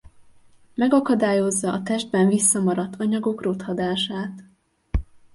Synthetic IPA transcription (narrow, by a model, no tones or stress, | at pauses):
mɛɡɒkɒd̪aːjo̞zːɒʔːt̪ɛʒd̪̚bɛɱvisːɒmɒɾɒt̪ʰːɒɲɒɡo̞krot̪hɒd̪aːʃaːt̪